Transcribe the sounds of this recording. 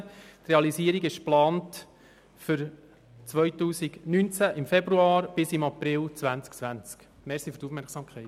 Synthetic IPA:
t̪reɑlisiːəɾiɡɪʃplɑːnt | fʏɾ | t͡sʋœjtuːsiɡnynt͡sæʔɪmfɛbɾuɑːɾb̥ɪsɪmɑpɾɪlt͡sʋænt͡skt͡sʋænt͡sk | mɛsifytufmɛɾksɑːmkʰχɛɪ

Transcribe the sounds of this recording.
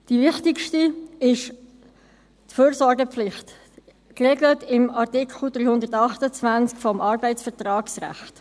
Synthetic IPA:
d̥ivɪχtɪkʃtiɪʃ | tføːɾsɔɾɡəpflɪχt | kreɡlətɪmɑʁtɪkχl̩d̥ryːhʊndəʁtɑχtət͡svænt͡skfɔmʔɑɾbɛɪtsfəʁtrɑːksʁæ̰χt

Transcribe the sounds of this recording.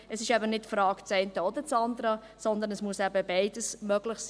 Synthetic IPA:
ɛsɪʃɛbənɪtfɾɑːkt͡sɛɪntəɔd̪ət͡sɑnd̪əɾə | sɔnd̪ənɛsmuəsæbəbɛɪdəsmœɡlɪχs

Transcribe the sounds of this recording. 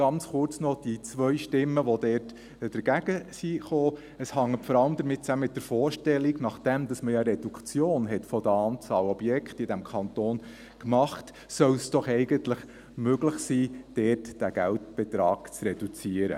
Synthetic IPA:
ɡ̥ɑnt͡sχʊrt͡snɔd̥it͡sʋœʏʃtɪmːəʋɔdɛrt | d̥əɾɡæɡ̥əsiχoː | əshɑŋːətfɔɾɑləmd̪əɾmɪt̚t͡sæməmɪt̚dəɾfɔːɾʃtɛlːiɡnɑχd̥æmd̥̪ɑsməjɑɾɛd̥ukʰt͡sjoːnɦɛtfɔd̪əɑːnt͡sɑːlɔb̥jɛkχtɪd̥æmkʰɑnt̪oːn | kmɑχt | sœlsd̥ɔχɛɪɡəntləχ | møɡləχsiːd̥ɛːtd̥æɡ̥æltb̥ɛtɾɑːɡ̥t͡srɛd̥ut͡siəɾə̰

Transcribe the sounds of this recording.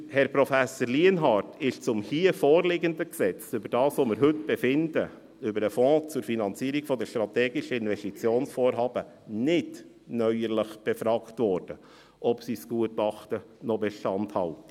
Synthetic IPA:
hɛɾpɾɔfæsəɾliənɦɑːɾtɪʃt͡sʊmhiːəfoːɾlɪɡənd̪əksɛt͡sʏbəɾd̥ɑːsʋomɪɾɦʏtb̥ɛfɪndə | ʏbəɾəfɔ̃ːt͡sʊɾfinɑnt͡siːɾiɡfɔd̪əʃtɾɑt̪ɛːɡɪʃəɪnʋɛstit͡sjoːnsfoːɾɦɑːbə | nɪd | nœʏəɾləχb̥ɛfɾɑːktvɔɾd̥ə | ʔɔpsisɡ̥uətɑχt̪ə | nɔbɛʃtɑnthɑltə̥

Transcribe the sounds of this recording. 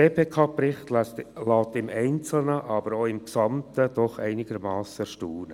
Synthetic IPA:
eːpʰeːkʰɑːprɪχt̪llɑːt̪ɪmɛɪnt͡sl̩nəʔɑbəɾoɪmksɑmt̪əd̥̪ɔχɛɪnɪɡəɾmɑːsəʃtuːnə

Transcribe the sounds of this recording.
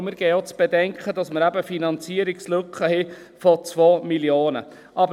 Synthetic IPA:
mɪɾɡ̥ɛɪot͡sb̥edɛŋkχədɑsməɾæbəfinɑnt͡siəɾikslɵkχəhɛ | fɔt͡sʋoːmiljoːnə̰ | ʔɑb

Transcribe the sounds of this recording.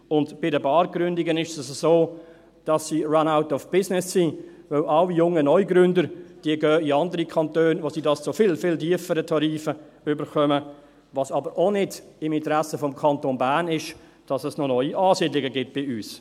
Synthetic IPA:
ʊndb̥ɪdəbɑːɾɡ̥ɾʏndɪɡənɪʃɛsəzoː | d̥ɑsːiːranaʊtɔfb̥ɪsnɪsːi | vœwʔaʊijʊŋənɔjɡɾʏndəɾd̥iəɡœːiɑndəɾikʰɑntøːnvosiːdɑst͡sʊfɪlfɪltiəfəɾətʰɑɾiːfə | ʏbəɾχœmə | ʋɑsɑbəɾʔonɪd | ɪmɪntəɾæsəfɔmkʰɑntonbæːnɪʃ | d̥ɑsəsnɔnɔʏiʔɑːsiːdlɪɡəɡɪt̚b̥ɪyːs

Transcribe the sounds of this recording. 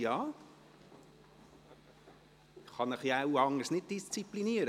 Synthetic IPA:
jɑː | ɪχːɑnəχjɑawɑŋəɾsnɪd̚d̥ist͡sipliniːəɾ

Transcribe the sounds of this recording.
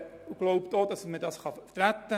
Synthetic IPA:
uɡ̥loʊptodɑsmədɑsχɑtɾæt̪ːə

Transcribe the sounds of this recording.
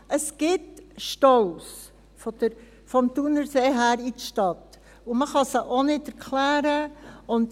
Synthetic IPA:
ʔəsɡ̥ɪtʃtɔls | fɔd̥̪əɾ | fɔmt̪unəɾseːɦæːɾitəʃtɑt | uməχɑsəʔonɪdɛɾkʰlæːɾəʊnd

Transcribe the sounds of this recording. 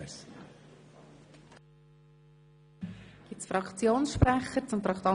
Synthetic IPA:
ɡ̥ɪt͡sfɾɑkʰt͡sjoːnsʃpɾæχəɾt͡sʊmt̪ɾɑkt̪ɑ

